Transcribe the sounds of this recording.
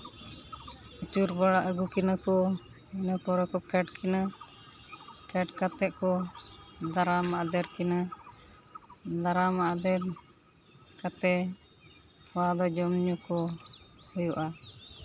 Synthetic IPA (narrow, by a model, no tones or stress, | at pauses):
it͡ʃuɾbaɽaʔəɡukinakɔɛnapɔɾɔkɔp̚kɛʈkɛna | kɛʈkat̪ɛʔkɔ | d̪aɾamaʔd̪ɛɾkɛna | d̪aɾamaʔd̪ɛɾ | kat̪ɛ | pʰɔwad̪ɔd͡ʒɔmɲɔkɔhujɔʔa